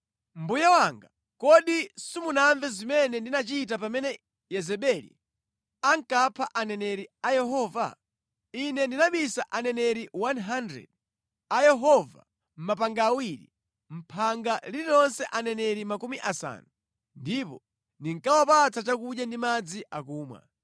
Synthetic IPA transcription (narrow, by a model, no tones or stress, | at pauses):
m̩bujawaŋɡa | kɔɗisumunaɱvɛzimɛnɛndinat͡ʃit̬apamɛnɛ | jɛzɛɓɛlḭ | aŋkapʰaʔanɛnɛɾiajɛɦɔːva̰ | inɛndinaɓisaʔanɛnɛɾiwanɦandɾɛ̰d̚ | ajɛɦɔva̰ | m̩mapaŋɡaːwiɾḭ | m̩pʰaŋɡaliɾiɾɔnsɛʔanɛnɛɾimakumiʔasa̰ːnu | ndipɔ̰ | ndiŋkawapat͡sʰat͡ʃakuɗjandimad͡ziʔakuːmwa̰